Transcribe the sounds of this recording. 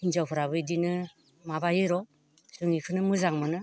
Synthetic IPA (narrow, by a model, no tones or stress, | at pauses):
inzawpʰɯɾaβɯidinɯ | mabajɯɾɔ | sɯŋikʰɯnɯmɯzaŋmɯnɯ